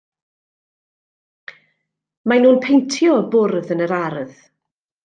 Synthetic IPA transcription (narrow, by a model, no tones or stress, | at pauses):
manuːnpʰejntʰjɔbʊrðənəɾaɾð̥